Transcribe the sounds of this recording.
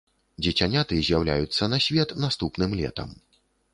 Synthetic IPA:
d͡zʲɛt͡sʲanʲat̪ɨzʲjawlʲa̰jut̪sːɐnɐsʲvʲɛt̪nast̪upnɨmlʲɛ̰t̪ɐ̰m

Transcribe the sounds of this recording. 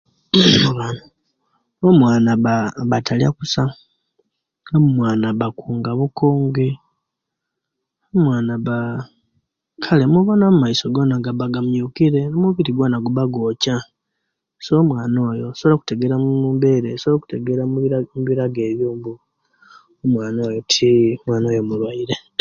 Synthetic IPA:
uβanu | omwaːnaβaβatʰalja̰kusa | ɡamumwaːnaβakuːŋɡaβuko̞ːŋɡe | omwaːnaβa | kʰalemuβonamumaiso̞ɡo̞ːnaɡaβaɡamjukiɾe̞nmuβiɾiɡwoːnaɡuβaɡo̞ːca | somwaːno̞ːjosolaku̥te̞ɡe̞ɾamuumbe̞ɾesolaku̥teɡeɾamuβiɾaɡe̞ːβjuːmbu | omwaːnoːjotʰimwaːno̞ːjomulwaiɾe

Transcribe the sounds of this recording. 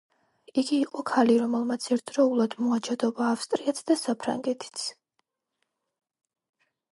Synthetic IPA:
iɡiːqʼɔkʰaliɾɔmɛlˠmat̪sʰɛɾt̪ʰd̪ɾɔulˠad̪̥mɔad͡ʒad̪ɔbaːfst̪ʼɾiat̪sʰd̪asapʰɾa̰ŋɡɛt̪ʰi̥t̪sʰ

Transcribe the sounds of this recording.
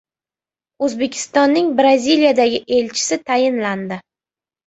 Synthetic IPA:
ɵzbe̞kʲʰɪ̥st̪ɒnːɪŋbɾazʲilijad̪aɡʲɪʔe̞lt͡ʃʰɪ̥sɪt̪ʰajɪnland̪ɪ

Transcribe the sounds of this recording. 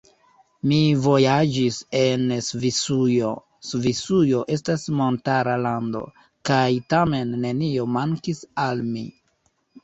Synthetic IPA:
mivo̞jad͡ʒise̞nsvisujo̞ | svisujo̞ʔe̞s̬tasmo̞ntaɾalando̞̰ | kajtame̞nːe̞nio̞maŋkisalmḭ

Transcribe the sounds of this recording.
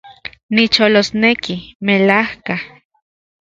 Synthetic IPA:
nit͡ʃolosnekimelahka

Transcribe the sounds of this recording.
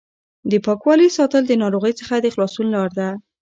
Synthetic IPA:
d̪əpɑkwɑlisɑt̪əld̪ənɑɾoɣəjt͡səxad̪əxlɑsunlɑɾd̪a

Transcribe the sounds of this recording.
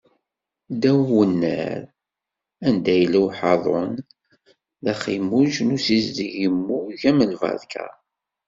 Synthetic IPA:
d̪æwwənːə̰ɾ | ænd̪æjəliwħɑðˤo̰n | ðæχimuʒnusizd̪əʝəmːuʝæməlvɑ̰ðkʰæ̰

